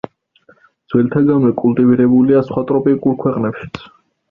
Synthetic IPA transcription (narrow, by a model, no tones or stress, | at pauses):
d̪z̥wɛlt̪ʰaɡamɛkʼulˠt̪ʼiviɾɛbuliasχwat̪ʼɾɔpʼikʼuɾkʰwɛqʼnɛpʃi̥t̪sʰ